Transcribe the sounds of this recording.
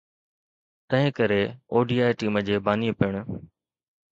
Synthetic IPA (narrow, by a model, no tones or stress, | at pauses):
t̪ɐ̃ɦɪ̃kɐɾeoːɖiːaːjʈiːməd͡ʑeːbaːniːəpɪəɽ̃